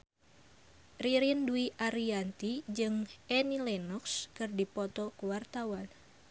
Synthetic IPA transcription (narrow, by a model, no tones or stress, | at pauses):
riɾiənduiʔaɾiant̪id͡ʒɨŋɛnilɛnɔkskɨrdipɔt̪ɔkuwart̪awan